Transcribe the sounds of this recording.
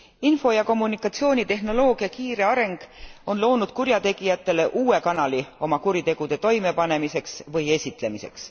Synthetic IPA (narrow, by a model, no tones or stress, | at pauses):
info̞jɑko̞mːunikːˑɑt̪sio̞ːnʲit̪e̞ɦno̞lo̞ːɡ̥iɑkiːɾe̞ɑɾe̞ŋɡ̥o̞nlo̞ːnud̪̥̚kuɾjɑt̪e̞ɡ̥ijɑt̪ːˑe̞le̞ʔuːe̞kɑnɑlio̞mɑkuɾit̪e̞ɡ̥ud̪̥et̪o̞jme̞pɑne̞mise̞ksvɤje̞sʲit̪ˑle̞mise̞̰ks